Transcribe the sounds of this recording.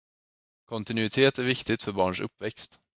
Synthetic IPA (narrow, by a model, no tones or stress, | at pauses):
kʰɔnt̪ɪnʉɪt̪ʰeːt̪æɾvɪkt̪ɪt̪fœɾbɑːɳʂɵ̰pːvɛkst̪